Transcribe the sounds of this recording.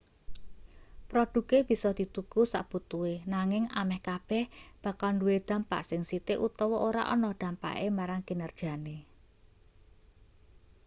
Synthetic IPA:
pɾɔɖ̪̥ṳkeb̥i̤sɔd̪̥i̤t̪ukusa̰ʔb̥ut̪uenaŋɪŋamɛhkab̥ɛhb̥a̤kalnduwed̪̥ä̤mpa̰ʔsɪŋsit̪eʔut̪ɔwɔʔoɾa̰ʔɔ̰nɔhd̪̥ä̤mpa̰ʔemaɾaŋkinərd̥ʒ̥a̤ne

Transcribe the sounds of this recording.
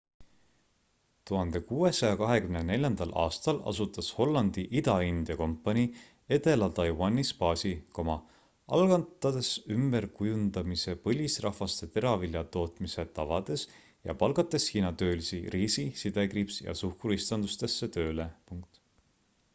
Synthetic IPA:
t̪uɦɑnd̪̥e̞kuːe̞sɑjɑkɑɦe̞kymne̞ne̞lʲjɑnd̪ɑlʔɑ̰ːst̪ɑlɑ̰sut̪ːˑɑsho̞lːɑnd̪̥iʔid̪ɑind̪̥jɑko̞mpːˑɑnʲi | e̞t̪e̞lɑt̪ɑjwɑnːispɑːsʲikomɑ | ʔɑ̰lɡ̥ɑnt̪ːˑɑd̪̥e̞symb̥e̞rkujund̪ɑmise̞pɤlʲisrʔɑhvɑst̪e̞t̪e̞ɾɑviljɑt̪o̞ːt̪mise̞t̪ɑvɑd̪̥e̞s | jɑ̰pɑlɡɑt̪ːˑe̞shiːnɑt̪ø̞ːlisiriːsisid̪e̞kripsjɑ̰suhkuɾist̪ɑnd̪ust̪e̞sːe̞t̪ø̞ːle̞puŋk̚t̪

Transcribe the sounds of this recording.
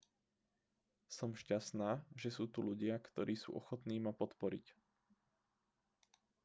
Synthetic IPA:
sɔmʃcast̪naːʒɛsuːt̪uluɟɪakt̪ɔɾʔiːsṵːʔɔxɔt̪niːmapɔt̪pɔɾḭc

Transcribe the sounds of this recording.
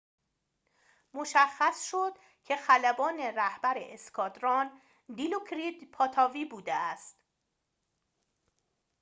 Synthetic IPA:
moʃæxːæsʃod̪̥ | cʰe̞xælæbɒːne̞ɾæhbæɾḛʔeskʰɒːd̪ɾɒn | d̪ilukʰɾid̪pʰɒːt̪ʰɒːviːbuːd̪eæst̪

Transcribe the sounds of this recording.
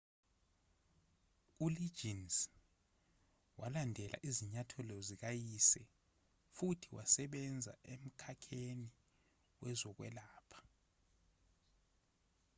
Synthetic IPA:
uli̥d͡ʒins | walandʱɛla̰ʔiziɲatʰɔlɔzik̬ajisɛ | futʰiwasɛɓɛnd͡zʱa̰ʔem̩kʰakʰeni | wɛzɔk̬wɛ̰laːpʰḁ

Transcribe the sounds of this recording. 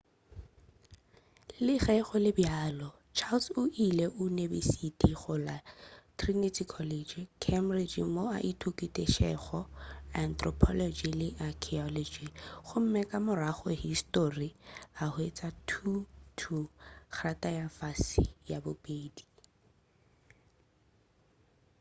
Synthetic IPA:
lɪχɛɣʊlɪbjaːlɔ | t͡ʃʰalsʊʔileʔʊnebisitʼiχʊlatʰrinitʰikʰɔlɛd͡ʒkʰɛmrid͡ʒmoa̰ʔitʰukʼitʼeʃɛχɔant̪ʰʼrɔpʰɔlɔd͡ʒilɪʔakʰɛɔlɔd͡ʒiχʊm̩mɛkʼamʊraχɔhistoriahʊet͡sʼatʰutʰuk͡xʰatʼajafasijabʊpʼeːdi

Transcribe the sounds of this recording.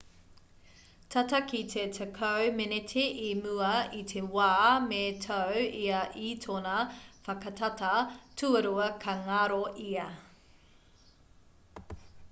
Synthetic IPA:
tʰɐtɐkitʰetʰəkʰɐwmenetʰeʔimʉɐit̪ʰewaːmetʰɐwiɐʔitʰonɐfɐkɐtʰɐtɐtʰuɐɾuɐkʰɐŋaɾoʔiɐ

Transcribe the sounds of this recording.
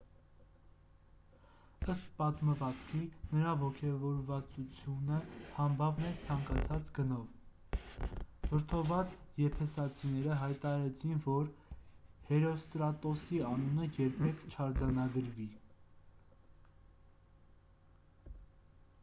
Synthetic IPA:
əst̪̚pɑt̪məvɑt͡skʰinəɾɑvɔkʰɛvɔɾvɑt͡sut͡sʰjunəhɑmbɑvnɛt͡sʰɑŋkɑt͡sʰɑt͡sɡənɔv | vəɾt̪ʰɔvɑt͡sjɛpʰɛsɑt͡sʰinɛɾəɦɑjt̪ɑɑɾɛt͡sʰinvɔɾ | hɛɾɔst̪ɾɑt̪ɔsiɑnunəjɛɾpʰɛkʰt͡ʃʰɑɾd͡zɑnɑɡəɾvi

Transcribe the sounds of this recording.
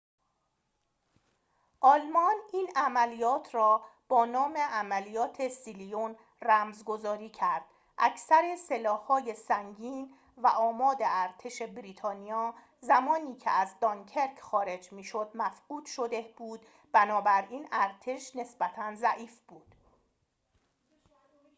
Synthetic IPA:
ʔɒːlmɒniːnæmælijɒːt̪ʰɾɒːb̥ɒːnɒːme̞ʔæmælijɒːt̪ʰe̞silijon | ræmzɡo̞zɒːɾiːcʰæɾd̪̥ | ʔæ̰cʰsæɾese̞lɒːhːɒːjesæŋɟiːn | væʔɒːmɒːd̪eæɾt̪ʰe̞ʃe̞bɾiːt̪ʰɒːnijɒː | zæmɒːniːkcʰḛæzd̪ɒŋcʰe̞ɾkʰxɒːɾe̞d͡ʒmiːʃo̞d̪mæfquːd̪̥ʃo̞d̪eb̥uːd̪̥ | b̥ænɒːbæɾiːnæɾt̪ʰe̞ʃne̞sb̥æt̪ʰænzæʔiːfb̥uːd̪̥

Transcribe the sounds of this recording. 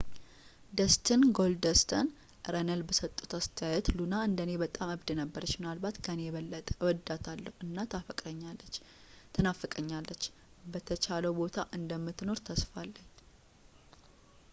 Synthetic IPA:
d̪əst̪ʰɨnɡo̞ld̪əst̪ʰən | ɾənəlbəsət̪ʼːu̥t̪ast̪ʰəjajɛt̪lunaɨnd̪əne̞bət̪ʼamɨβd̪ɨnəbːəɾət͡ʃːmɨnalbat̪kʰənejɛβəlːət̪ʼəwɔd̪ːat̪ʰalːəhuʔɨnːat̪ʰafəkʼɾəɲːalːət͡ʃː | t̪ʰənafːəkʼəɲːalːət͡ʃː | bət̪ʰət͡ʃʰaləwbo̞t̪ʰaʔɨnd̪əmːɨt̪ːno̞ɾt̪ʰəsfalːəɲː

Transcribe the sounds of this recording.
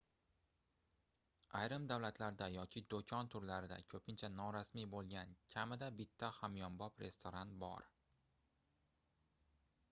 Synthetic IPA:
ajɾɪmd̪awlat̪ʰlaɾd̪ajɒkʲʰɪd̪okʲʰɒnt̪ʰʊɾlaɾɪd̪a̰kʲʰɵpʰɪnt͡ʃʰanɒɾasmibolˠɡʲankʲʰamɪd̪abɪt̪ʰːahamjɒmbɒpɾe̞̰st̪ʰoɾant̪bɒ̰ɾ

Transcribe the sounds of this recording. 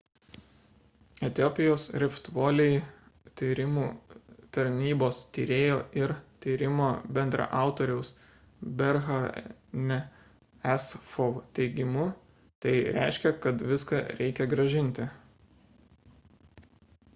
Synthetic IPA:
ɛt̪ʲɪɔːpʲɪjoːsɾʲɪft̪ʋoːlʲɛj | t̪ʲiːɾʲɪmuːt̪ɐɾʲnʲiːboːst̪ʲiːɾʲeːjoːɪɾt̪ʲiːɾʲɪmoːbʲɛnd̪ɾɐ̰ʔɑˑʊt̪oːɾʲɛʊs | bʲɛɾɣɐɾnʲɛ | ɛsfoʋt̪ʲɛɪɡʲɪmʊ | t̪ɐɪɾʲæ̰ˑɪʃʲkʲɛkɐt̪ʋʲɪskɐɾʲɛɪkʲɛɡɾɐʒʲɪnʲˑt̪ʲɪ

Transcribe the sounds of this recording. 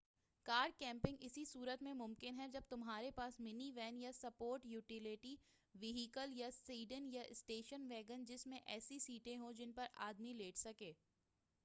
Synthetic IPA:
kaːɾɖ̚kɛ̃ːmpɪ̃ŋɡɪsisuːɾət̪mẽmʊmkɪnɦɛd͡ʒɐb̚t̪ʊmɦaːɾepaːsmɪniʋɛːnjasɐpoːɾʈjuːʈɪleʈi | ʋɪɦikəljasiːɖənjaʔɪsʈeːʃənʋɛːɡənd͡ʒɪsmẽʔɛːsisiːʈẽɦõd͡ʒɪnpɐɾa̰ːd̪mileːʈʰsɐkeː

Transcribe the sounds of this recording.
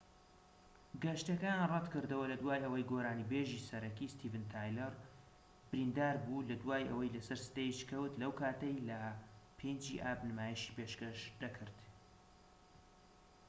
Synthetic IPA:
ɡɐʃt̪ɐkaːnrɛd̪kɨɾd̪ɐwɐlɐd̪waːjʔɐwɐjɡoɾaːnibeːʒiːsɐɾɐkiːst̪ʰiːvɨnt̪ʰaːjlɐɾ | b̥ɨɾind̪aːɾbulɐd̪waːjʔɐ̰wɐjlɐsɐɾsɨ̥t̪ɐjiʃkʰɐwt̪lɐwkʰaːt̪ɐjlɐpʰeːnd͡ʒḭːʔaːbnɨmaːjiʃi̥ːpeːʃkɐʃd̪ɐkʰɨɾd̪̥

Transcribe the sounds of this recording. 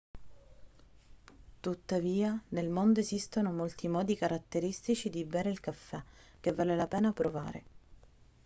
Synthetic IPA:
t̪ut̪ːaviːanelmond̪oezist̪onomolt̪imɔːd̪ikaɾat̪ːeɾist̪it͡ʃid̪ibɛːɾeilkafːɛ | k̟evːaːlelapɛːnapɾova̰ːɾḛ

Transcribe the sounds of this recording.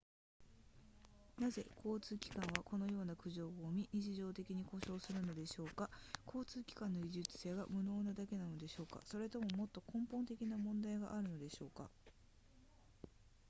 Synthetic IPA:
naze̞kʰo̞ːt͡sɨːkʲi̥kãɰ̃βako̞no̞jo̞ːnakɯ̟ʑo̞ːoːmʲiɲit͡ɕiʑo̞ːt̪e̞kʲiɲ̟iko̞ɕo̞ːsɨɾɯ̟no̞d̪e̞ɕo̞ːkakʰo̞ːt͡sɨːkʲi̥kãnːo̞ɡʲiʑɨt͡sɨ̥se̞ːɡa̰mɯ̟no̞ːnad̪ake̞nano̞d̪e̞ɕo̞ːka̰so̞ɾe̞t̪o̞mo̞mo̞t̪ːo̞kõ̞mpõ̞nt̪e̞kʲinamõ̞nd̪aiɡaʔaɾɯ̟no̞d̪e̞ɕo̞ːka̰

